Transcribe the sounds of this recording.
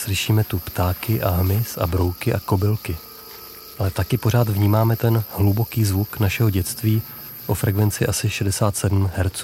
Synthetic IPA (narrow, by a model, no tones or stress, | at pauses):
slɪʃiːmɛt̪upt̪aːkɪʔaɦmɪsa̰bɾo̞wkɪʔako̞bɪlkɪ | ʔalɛt̪akɪpo̞ɾ̝aːt̪vɲiːmaːmɛt̪ɛnhlubo̞kiːzvuknaʃɛɦo̞ɟɛt͡st̪viː | ʔo̞fɾɛkvɛnt͡sɪʔasɪʃɛdɛsaːt̪sɛdm̩ɦɛɾt͡suː